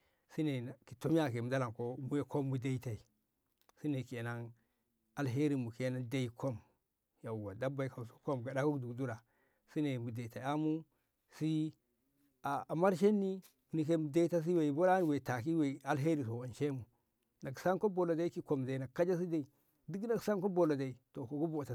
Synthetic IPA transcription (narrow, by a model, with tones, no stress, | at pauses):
si˦ne˨na˨ki˨to˦m˦a˦˨ke˨mu˨da˦la˨ko˦mu˦e˦ko˦mːu˦da˦i˦ta˨i˨ | si˦ne˨ke˨na˦ŋ | a˨lɦe˦ɾi˨mu˨ke˦na˦da˦i˨kʰo˦m | ja˨wa˨da˦ba˨i˨ka˨u˨so̥˦ko˦mɡa˨da˦ku˦kdu˨kdu˦ɾa˨ | si˦ne˨mu˨de˨i˨ta˨i˨a˦mu˦ | si˦ | a˨a˨ma˦ɾʃ̬e˦nːi˦ | mu˨ni˨k̬e˦mu˨da˦i˦ta˦s̬i˦we˨i˨bo˦ɾa˦n˨we˨ta˨ki˦we˨a˨lɦe˦ɾi˨s̬o˨wa˨n˨ʃe˦mu˨ | na˨ɡsa˦nko˦bo˨lo˨da˦i˦ki˦ko˦˨mda˨i˨na˨kːa˦d͡ʒa˦s̬i˦da˦i˨ | di˦ɡna˦ɡsa˦ŋko˦bo˨lo˨da˨i˨to˨ko˨ɡu˦bo˨ta˨